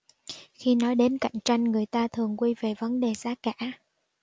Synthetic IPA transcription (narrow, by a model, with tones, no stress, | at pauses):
xi˧nɔ˨˦jɗe˨˦nka̰˧˨jŋ̟t͡ɕa˧jŋ̟ŋɨ˨˩əjt̪aː˧t̪ʰɨ˨˩əŋkwi˧ve˨˩və˨˦nɗe˨˩zaː˨˦ka̰ː˧˥